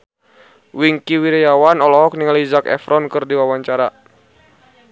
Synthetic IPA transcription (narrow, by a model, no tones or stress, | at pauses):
wiŋkiwiɾɛjawanɔlɔɦɔk̚niŋalizakɛ̰fɾɔnkɨrdiwawaɲt͡ʃaɾa